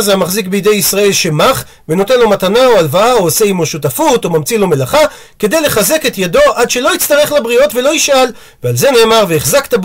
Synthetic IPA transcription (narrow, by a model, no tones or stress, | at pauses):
zamaχzikbeid̪ejisʁae̞lʃe̞maχ | veno̞te̞nlo̞matanaoalvaaoːseimoʃutafutomamt͡silo̞melaχa | ke̞d̪e̞jle̞χaze̞ke̞t̪jado̞ʔadʃe̞lo̞jit͡st̪aʁe̞χlabʁio̞tve̞lo̞jiʃʔal | vealze̞ne̞ːmaʁveːχzakt̪ab